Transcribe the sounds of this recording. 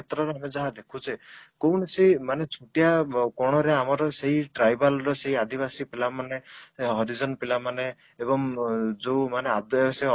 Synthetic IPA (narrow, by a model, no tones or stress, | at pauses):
et̪ɾɔɾeamed͡ʒaɦad̪ekʰut͡ʃʰikownesimanet͡ʃʰuʈijakɔɽ̃ɔɾeamɔɾɔseɦiʈɾajbalɾɔseɦiad̪ibasipilamaneɦɔɾid͡ʒɔnpilamaneː | bɔŋd͡ʒewmanead̪se